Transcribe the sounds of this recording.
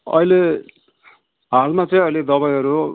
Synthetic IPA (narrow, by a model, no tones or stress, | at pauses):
ʌ̰ile | ɦalmat͡sʌĩʌjled̪ʌbajɦʌɾu